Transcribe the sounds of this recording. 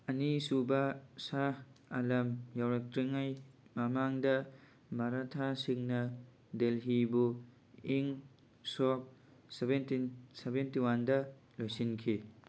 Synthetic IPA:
ɐnisubɐsaalɐmjawɾak̚tɾiŋajmamaŋdɐ | maɾatʰasiŋnɐ | delɦibu | iŋ | sɔk̚ | sebentinsebentiwandɐ | lojsinkʰi

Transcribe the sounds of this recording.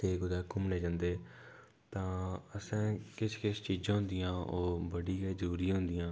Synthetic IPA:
eːkʊd̪aːkʊmneːd͡ʒãːnd̪eː | t̪ãːəsɛ̃ːkɪt͡ʃʰkɪst͡ʃiːd͡ʒãːɦʊ̃nd̪ijãːoːbəɽiːkeːd͡ʒəɾuːɾiːɦʊ̃nd̪ijãː

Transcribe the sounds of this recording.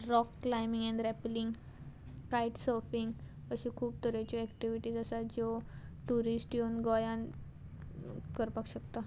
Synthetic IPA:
ɾɔkːlajmiŋɡɛ̃ɳɖɾɛpliŋɡ | kajʈsɔfiŋɡ | əɕĩkʰuːb̚t̪əɾat͡ɕiɛkʈiʋiʈiːsəsad͡ʑoʈuɾisʈjonɡɔjan | kəɾpakɕəkt̪a

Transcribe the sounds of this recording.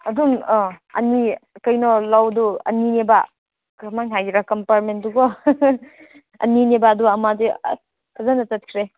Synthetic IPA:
ɐdunɔɐ̰nikɐjnɔlawduɐ̰nineba | kɐmaŋɦajɾakɐmpaɾmenduɡɔ | ɐ̰ninebaduɐmadi | kʰazanɐtɐt̚kʰɾe

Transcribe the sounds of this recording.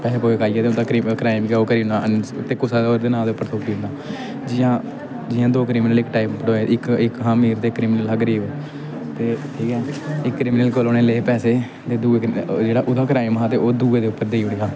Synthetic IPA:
pɛːseːpoːekaːiːaːt̪eʊd̪aːkɾikɾaːɪmkɛoːkəɾĩːnd̪aʔənt̪eːkʊsaːd̪oɾd̪eːnãːd̪eːʊpːəɾt̪ʰoːkiːʊ̃nd̪aː | d͡ʒɪːãː | d͡ʒɪːãːd̪oːk̬ɾiːmnəlɪkʈaːippəɽoːeɪkɪkɦãːmiːɾt̪eːkːɾiːmnəlɦaːɡəɾiːb | t̪eːʈʰiːkɛːɪkːɾiːmnəlkoːloːneːleːpɛːseː | t̪eːd̪uːeːkd͡ʒeːɽaːʔʊd̪aːkɾaːɪmɦaːt̪eːʔoːd̪uːeːd̪eːʊpːəɾd̪eiɽeɡaː

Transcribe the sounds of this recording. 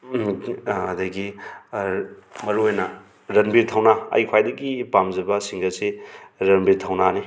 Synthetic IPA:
ɐdajɡi | mɐɾuojnɐ | ɾɐnbiɾt̪ʰawnaɐ̰jkʰwajdɐɡipamzɐbasiŋɡɐseɾɐnbiɾtʰawnani

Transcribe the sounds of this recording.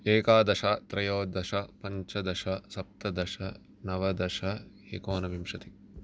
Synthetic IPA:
eːkaːd̪ɐʃat̪ɾɐjoːd̪ɐʃɐpɐɲt͡ʃɐd̪ɐʃɐsɐp̚t̪ɐd̪ɐʃɐ | nɐʋɐd̪ɐʃɐ | eːkoːnɐʋimʂɐt̪i

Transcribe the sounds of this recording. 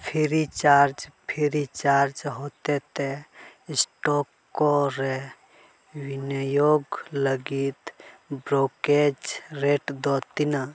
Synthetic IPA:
pʰiɾit͡ʃaɾd͡ʒpʰiɾit͡ʃaɾd͡ʒɦot̪et̪esʈɔkːoɾe | winəjoɡləɡit̪bɾoked͡ʒɾeʈd̪ɔt̪ina

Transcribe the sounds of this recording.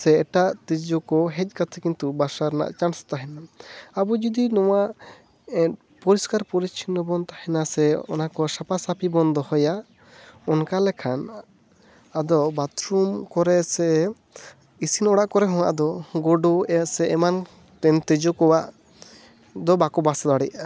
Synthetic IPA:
sɛːʈaʔt̪ed͡ʒɔkɔɦɛc̚ˀkat̪ʰɛkint̪ubasaɾna̰ʔt͡ʃanst̪aɦɛnaabɔd͡ʒɔd̪inɔwaʔ | pɔɾiskaɾpɔɾit͡ʃʰinːɔbɔnt̪ahɛnasɛɔ̰nakɔsapasapʰibɔnd̪ɔhɔja | ɔnkalɛkʰan | ad̪ɔbat̪ɾumkɔɾɛsɛ | isinɔɽaʔkɔɾɛɦɔ̃w̃a̰ʔd̪ɔɡɔɖɔɛsɛɛman | t̪ɛnt̪ɛd͡ʒɔkɔwaʔ | d̪ɔbakɔbasad̪aɽɛʔa

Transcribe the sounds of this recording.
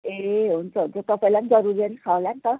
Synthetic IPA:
eɦunt͡sʰʌɦunt͡sʰʌt̪ʌpaĩland͡zʌɾuɾiʌnisʰalant̪ʌ

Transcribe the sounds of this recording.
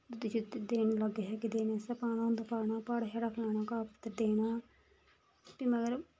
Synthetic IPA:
d̪ʊd̪it͡ʃid̪eːnləɡeɦɛːkɪd̪eːneːsɐpaːnãnd̪aːpaːɾɳaːpaːɽɦɛɾakʰlaːnaːkaːpt̪ːəɾd̪eːnaː | piməɡəɾ

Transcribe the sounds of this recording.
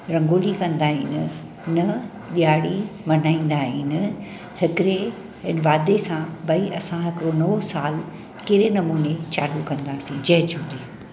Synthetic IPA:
ɾɐ̃ŋɡoːlikɐ̃nd̪aːɦinɪ̆ | nɐ | ɗijaːɽimɐn̤aːĩːn̆d̪aːɦiːnɪ | hɪkɪɾe | ɦɪnʋaːd̪esãbɐiʔɐsãɦɪkɪɾonɐosaːl | keɦɾenɐmuːnet͡ɕaːlukɐ̃nd̪aːsĩd͡ʑɐɦɪd͡ʑʰũːɾiː

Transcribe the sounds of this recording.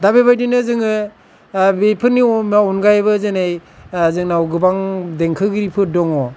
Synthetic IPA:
dabebajdinɯzɯŋɯ | bepʰɯnimaɔnɡajβɯzɯnejzɯŋnawɡɯbaŋdeŋkʰɯɡɯɾipʰɯdɔŋɔ

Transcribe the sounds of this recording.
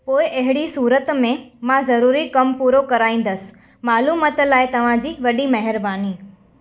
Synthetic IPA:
poːɪʔɐɦɪɽisuːɾət̪mẽmãzɐɾuːɾikɐmpuːɾokɐɾaːĩːn̆d̪əsɪ̥̆ | maːluːmət̪laːɪt̪ɐʋ̤ãd͡ʑiːʋɐɗimɐɦɪɾbaːniː

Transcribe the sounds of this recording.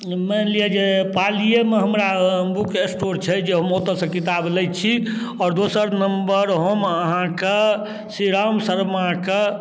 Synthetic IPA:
mɛlied͡ʒepalijemeɦəmɾabukesʈoɾt͡ʃʰɛd͡ʒeɦəmot̪əsə̃kit̪ablɛjt͡ʃʰi | ɔːɾd̪osəɾnəmbəɾɦəməɦãke | siɾamsəɾmake

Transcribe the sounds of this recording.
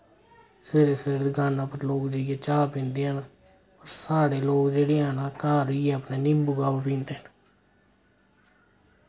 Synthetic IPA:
sʋeːɾeːseːɾːd̪ɡaːnãːpəɾloːkd͡ʒeːɪjaːt͡ʃaːpɪ̃nd̪eãːn | pəɾsaːɽeːloːkd͡ʒeːɽeːaːnaːkaːɾɪjeəpneːnɪmbuɡaːbapĩːnd̪eːn

